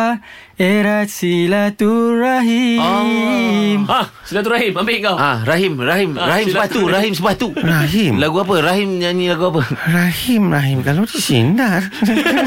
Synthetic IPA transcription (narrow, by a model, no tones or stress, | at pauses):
eɾasilat̪uɾaɦi | ma | silat̪uɾaɦimambeŋawãɾaɦimraɦimɾaɦimsəbat̪uɾaɦimsəbat̪uraɦimlaɡuap̬əɾaɦimɲaɲĩlaɡuap̬ərahimraɦimkalodisḭndar